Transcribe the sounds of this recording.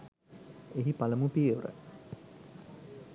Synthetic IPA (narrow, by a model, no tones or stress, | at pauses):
eɦipaləmupiuɾə̰